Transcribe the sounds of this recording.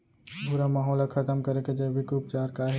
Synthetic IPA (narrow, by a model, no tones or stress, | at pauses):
bʱʊɾamaːɦɔːlakʰɐt̪əmkɐɾeked͡ʒaʋikup̚t͡ʃaːɾkaɦɛ